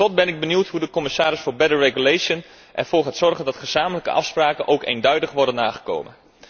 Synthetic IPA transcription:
ɔt̚bɛnɪɡ̚bənuwtɦudəkɔmɪsaːɾɪsfoːɹbɛdəɹreɡulejʃən | ʔɛ̰ɹv̥oːɹɦatsɔrχəndɑtχəz̥aːmələkə̰ʔɑ̰fspraːkənʔowkḛːndœɥdəχʋɔrdənːaːχə̥ko̰wmə̰n

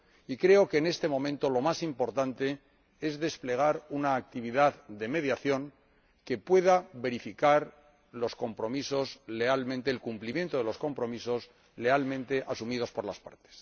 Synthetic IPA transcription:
ikɾe̞o̞keːne̞st̪e̞mõ̞mẽ̞nt̪o̞lo̞masimpo̞ɾt̪ant̪e̞ | e̞zðe̞sple̞ɣ̞aɾunaːk̚t̪iβiðaððe̞me̞ðjaθjo̞ŋ | ke̞pwe̞ðaβe̞ɾifikaɾ | lo̞sko̞mpɾo̞miso̞sle̞almẽnt̪e̞ːlkumplimje̞nt̪o̞ðe̞lo̞sko̞mpɾo̞miso̞s | le̞almẽ̞nt̪e̞ʔasumið̞o̞spo̞ɾla̰spa̰ɾt̪e̥s

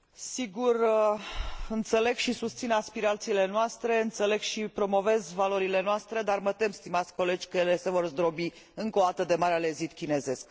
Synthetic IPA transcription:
siɡur | ɨnt̪se̞le̞ɡʃisust̪sinaspiɾat̪siːle̞noast̪ɾe̞ɨnt̪se̞le̞ɡʃipɾo̞mo̞ve̞zvalo̞ɾile̞noast̪ɾe̞d̪armət̪e̞mst̪imat̪sʲko̞le̞d͡ʒʲkəjele̞se̞vo̞rzd̪ɾo̞bi | ɨŋkod̪at̪əd̪e̞maɾeale̞zit̪kʲine̞ze̞sk

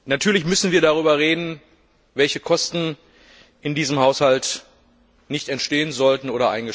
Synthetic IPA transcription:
natʰyːɐlɪçmʏsn̩viːɐɾaʁ̞yːbɐʁeːdn̩ | vɛlçəkʰɔstn̩ | ʔɪndiːzəmhaʊshalt | nɪçtɛntʃteːənzɔltn̩oːɾɐʔa̰ɪnɡə

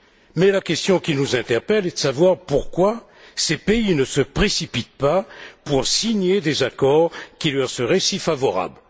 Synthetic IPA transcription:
mɛlakʲɛst̪jɔ̃kʲinuzɛ̃t̪ɛʁpɛlɛd̪əsavwaʁpuʁkwa | sepeinəsəpχesipit̪̚papuʁsiɲed̪ezakɔʁkʲilœʁsəʁɛsifavɔʁa̰bl

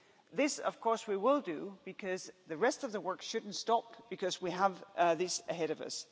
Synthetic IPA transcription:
ðɪsʌ̰v̥kʰɔɹswiwɪlˠdɨb̥ɨkʰʌzðɨɹɛstʌvðəwɜ˞kʃʊdⁿn̩tstɑp̚b̥ɨkʰʌzwiəvðɪsɨɦɛɾʌvʌ̰s

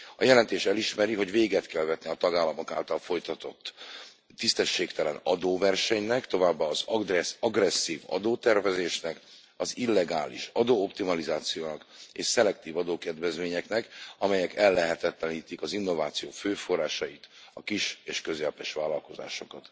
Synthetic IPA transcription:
ɒjɛlɛnt̪eːʃɛliʃmɛɾiɦoɟveːɡɛt̪kɛlvɛt̪niɒt̪ɒɡaːlːɒmo̞ka̰ːlt̪ɒlfo̞jt̪ɒt̪o̞t̪ː | ist̪ɛʃːeːkt̪ɛlɛnɒd̪oːvɛrʃɛɲnɛkt̪o̞vaːbːaːzɒɡrɛsɒɡrɛsːiːvɒ̰d̪oːt̪ɛrvɛzeːʃnɛk | ɒzilːɛɡaːlḭʃɒd̪oːopt̪imɒlizaːt̪sijoːnɒkḛːʃsɛlɛkt̪iːvɒd̪oːkɛd̪vɛzmeːɲɛknɛkɒmɛjɛkɛlːɛɦɛt̪ɛt̪lɛniːt̪ikɒzinːo̞vaːt̪sijoːføːfo̞rːaːʃɒjit̪ɒkiʃeːʃkøzɛlpɛʃʋaːlːɒlko̞za̰ːʃo̞kɒt̪

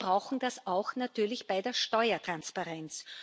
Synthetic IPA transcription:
b̥ʁaʊxn̩d̥asaʊxnatyːɐlɪçb̥aɪdeːɐʃtɔʏɐtʁ̥anspaʁɛnt͡s

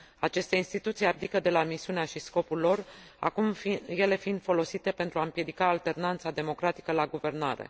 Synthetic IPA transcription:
at͡ʃe̞st̪e̞inst̪it̪ut̪sijap̚d̪ikəd̪e̞lamisiuneaʃisko̞pulːo̞r | a̰kumje̞le̞find̪fo̞lo̞sit̪e̞pent̪ɾuaɨmpje̞d̪ikaːlt̪e̞rnant̪sad̪e̞mo̞kɾat̪i̥kəlaɡuve̞rna̰ɾe̞̰

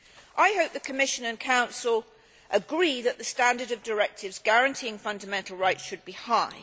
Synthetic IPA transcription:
ʔaɪhoʊp̚ðəkʰəmɪʃɨ̃nɨ̃nkʰãʊ̃nsəlˠ | ʔəɡɹiðəʔ̪̚ðəstæ̃ndəɾʌvdəɹɛk̚tʰɪvzɡæɹɨ̃ntʰiɪ̃ŋfʌ̃ndəmɛ̃ntʰˡl̩ˠɹaɪtʃɨd̚bihaɪ

